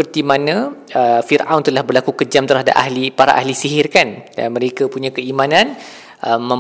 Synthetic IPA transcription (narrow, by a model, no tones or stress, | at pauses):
ərt̪imanãəfirʔawnt̪əlahbərlakukəd͡ʒamt̪əɾɦada̰p̚a̰ɦlipaɾa̰ʔa̰ɦlisiɦɪrkanda̰nmə̃ɾekapuɲãkəimãnãn | ʔəmə̃